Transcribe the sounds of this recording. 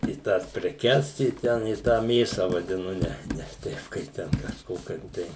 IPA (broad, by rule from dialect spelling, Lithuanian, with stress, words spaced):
ɪ ˈtɑːs pʲrʲɛˈkʲɛs ɪ ˈtʲɛn ɪ tɑː ˈmʲeːsɐ ʋɐdʲɪˈnʊ ˈnʲɛ nʲɛs ˈtʲɛɪp ˈkɐɪp tʲɛn kɐʃˈkoːkʲoːm ˈtɐɪ